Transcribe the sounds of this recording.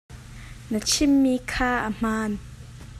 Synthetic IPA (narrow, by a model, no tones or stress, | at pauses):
nət͡ʃʰimːiːkʰaːʔəm̥aːn